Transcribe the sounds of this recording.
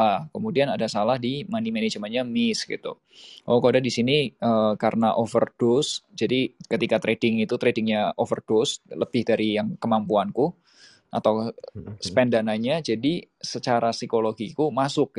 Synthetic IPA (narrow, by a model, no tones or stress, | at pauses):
akəmudianadasalahdimanimened͡ʒəmaɲamɪsɡḭt̪ṵ | a̰kodadisiniəkaɾənaʔofərd̥ʊsd͡ʒadikət̪ikat̪ɾedɪŋit̪ut̪ɾedɪŋɲaʔofərd̥ʊsləb̥ɪhdaɾijaŋkəmampuanku | ʔat̪awsə̥pɛndanaɲad͡ʒadi | sət͡ʃaɾasikoloɡikumasʊk̚